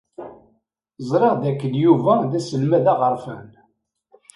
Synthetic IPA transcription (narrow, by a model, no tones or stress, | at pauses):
zˤɾˤeʁd̪ækːənjuvæðæsəlmæðæʁəɾˤfə̰n